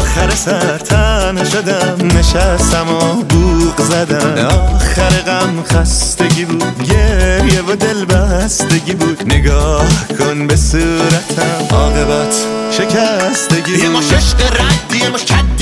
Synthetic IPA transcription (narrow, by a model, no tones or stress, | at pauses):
xæɾesæɾt̪ʰænoʃod̪æmneʃæst̪æmobuːʁzæd̪æmɒːχæɾeɣæmxæst̪e̞ɟibuːd̪ɟeɾjevod̪e̞lbæst̪e̞ɟibuːd̪̥neɡɒːhkʰonbesuːɾæt̪ʰæɒːɣe̞bæt̪ʰʃe̞cʰæst̪eɟiemɔeʃqeɾæd̪ːiemɔt͡ʃʰæd̪